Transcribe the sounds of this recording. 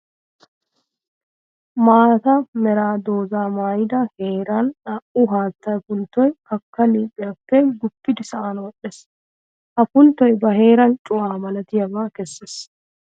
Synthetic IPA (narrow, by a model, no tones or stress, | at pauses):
maːt̪ɐmɛɾaːd̪oːzaːmaːjɪd̪ɐheːɾɐnɐʔʊɦaːt̪ːɐjpʊnt̪ːɔjkɐkːɐliːpʼːɪjapːɛɡʊpːɪd̪ɪsɐʔanwɔɗes | hɐpʊnt̪ːɔjbɐɦe̞ːɾɐnt͡ʃʼʊwaːmɐlɐt̪ɪjɐbaːkɛsːes